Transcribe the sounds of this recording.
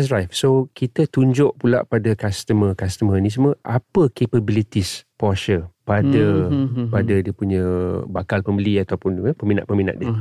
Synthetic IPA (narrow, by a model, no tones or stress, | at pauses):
srajfsokit̪ət̪uɲd͡ʒʊʔpula̰ʔpadakast̪əməkast̪əmənis̬əməʔapəkepəbilit̪ispɔʃəpadəpadədiəpuɲə̃bakalpəmbəliat̪awpʊnəpəmina̰ʔ̪̚pəmina̰ʔ̪diə